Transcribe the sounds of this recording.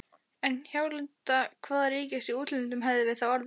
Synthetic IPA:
ɛnçaːwlɪnt̪akʰvaːðariːcɪsiuːt̪lɪnt̪ʏmɦavðɪvɪ̥θawaɾv

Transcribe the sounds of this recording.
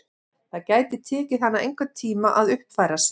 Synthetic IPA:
θaðcaːjt̪ɪt̪ʰɛːcɪanːaejŋkvat̪ʰiːmaʔaðʏhpfaːjɾas

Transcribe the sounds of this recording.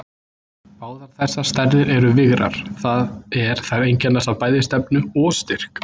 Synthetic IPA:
aːwθaɾ̥θɛsːast̪ɛɾðɪɾɛɾʏvɪɣɾa̰ɾ̥θaðɛɾ̥θaɾejɲcɛnːasavpaːjðɪst̪ɛpnʏɔst̪ɪr̥k

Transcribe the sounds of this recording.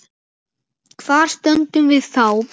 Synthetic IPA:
kʰvaːɾ̥st̪œnt̪ʏmvɪðθaw

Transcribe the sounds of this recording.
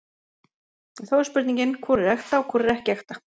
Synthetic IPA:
ɛnθawɛɾ̥spʏɾt̪nĩŋɲcɪnkʰvɔɾɪɾɛxt̪aɔkʰvɔɾɪɾɛhcɪɛxt̪ḁ

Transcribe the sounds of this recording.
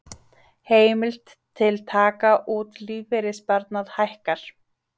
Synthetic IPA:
heːjmɪl̥t̪ʰːɪlt̪ʰaːkaʔuːt̪liːvɪɾɪspaɾt̪naðhajhkaɾ̥

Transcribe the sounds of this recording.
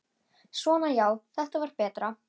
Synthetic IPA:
svɔːnajaːwθɛht̪avaɾ̥pɛːt̪ɾa

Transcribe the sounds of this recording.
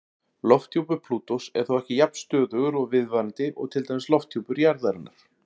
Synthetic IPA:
lɔft̪ʰjowpʏɾpʰluːt̪osɛ̰ɾ̥θowɛhcɪjap̚n̥st̪œːðʏɣʏɾɔɣvɪðvaɾant̪ɪʔɔ̰ɣt̪ʰɪlt̪ajmɪslɔft̪ʰjowpʏɾjaɾðaɾɪnːa̰ɾ̥

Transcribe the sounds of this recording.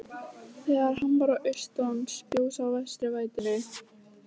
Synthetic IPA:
θɛɣaɾɦampaɾaʔœɥst̪ɔnspjoːwsawvɛst̪ɾɪvaːjt̪ɪɾɪ

